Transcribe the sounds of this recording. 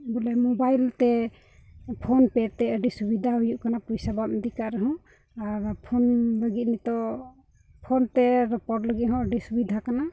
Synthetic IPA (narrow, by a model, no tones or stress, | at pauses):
bɔlɛmɔbajlt̪ɛ | pʰonpɛt̪ɛəɖisubid̪ʱaɦujuʔkanapujsabaʔ̚d̪ikaɾəɦɔ̃ | aɾpʰonbəɡit̪̚nit̪ɔ | pʰɔnt̪ɛɾɔpɔʈləɡiɦɔ̃əɖisubid̪ʱakana